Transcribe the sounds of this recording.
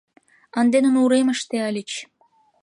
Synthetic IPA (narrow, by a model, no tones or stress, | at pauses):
ɑnd̪enə̆nuɾemə̆ʃt̪eɑlʲit͡ɕ